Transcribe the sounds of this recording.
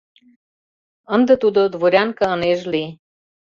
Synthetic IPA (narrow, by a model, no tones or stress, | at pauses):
ə̆nd̪ə̆t̪ud̪od̪voɾʲɑŋkə̆əneʒli